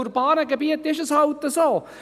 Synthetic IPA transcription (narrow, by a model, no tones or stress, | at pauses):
uɾpaːɾɐkɐpijɐt̪ːeʃɐsaːut̪ːɐsoː